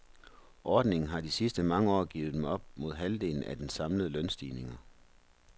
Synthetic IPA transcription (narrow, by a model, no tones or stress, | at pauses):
ʔɒːd̥ne̝ŋn̩ɦɑ̈d̥isisd̥əmɑ̈ŋəɒ̰ːɡ̥ḭːʊð̩ˠd̥emɒ̽b̥̚mo̝ðˠɦæld̥e̝̰ːln̩æd̥ensɑ̈mləð̩ˠlœnsd̥ḭːne̝ŋɐ